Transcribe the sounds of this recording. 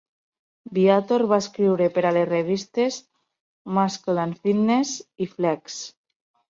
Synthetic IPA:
biat̪oɾβaeskɾiwɾepeɾalesreβ̞ist̪ez | maskolanfid̪nesifleks

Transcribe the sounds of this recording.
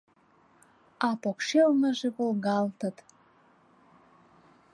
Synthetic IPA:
ɑpokʃelnəʒeβolɣɑlt̪ə̆t̪

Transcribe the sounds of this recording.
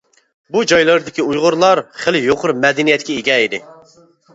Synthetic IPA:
bud͡ʒɑjlˠɑɾd̪ɪkʲiujʁʊɾlˠɑɾχəlɪjoqʰʊɾmɛd̪ɪnijɛt̪̚ʲkʲɛiɡʲɛid̪ɪ

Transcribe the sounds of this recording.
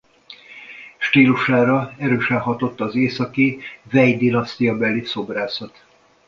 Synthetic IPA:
ʃt̪iːluʃaːɾɒɛɾøːʃɛnɦɒt̪o̞t̪ːɒːzeːsɒkivɛjd̪inɒst̪ijɒbɛlːiso̞braːsɒt̪

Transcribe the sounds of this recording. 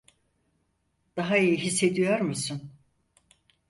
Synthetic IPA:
d̪̥aɦaijiɦisːe̞d̪ijoɾmusun

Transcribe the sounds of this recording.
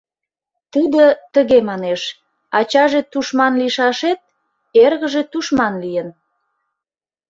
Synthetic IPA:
t̪əd̪ət̪əɣemɑneʃ | ɑt͡ɕɑʒet̪uʃmɑnliʃɑʃet̪̚ | erɣəʒet̪uʃmɑnlijən

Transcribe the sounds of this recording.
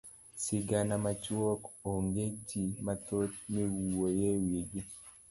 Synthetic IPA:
sɪɡanamat͡ʃwɔkoŋɡed͡ʒimatot̪̚miwuojewiɡi

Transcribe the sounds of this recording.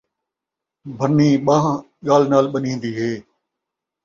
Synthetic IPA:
bʱənːiːɓãː | ɠaːlnaːlɓənĩːnd̪iːɦeː

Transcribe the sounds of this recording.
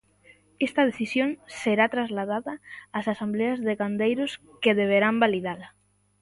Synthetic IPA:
est̪ɐð̞eθisjoŋseɾat̪ɾazlað̞aðɐːsasambleazðeɣand̪ejɾʊs | keðeβ̞eɾambaliðala

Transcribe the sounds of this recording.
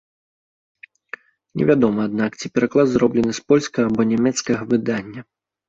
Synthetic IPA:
nʲɛ̰vʲad̪ɔmɐad̪nakt͡sʲipʲɛɾaklˠad̪zɾɔblʲɛnɨspɔlʲskɐabɔnʲamʲɛt̪skɐɣɐvɨd̪anʲːɐ

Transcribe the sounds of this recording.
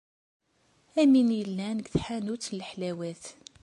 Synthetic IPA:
æminjəlːænəɡθħanut͡sːnləħlæwæθ

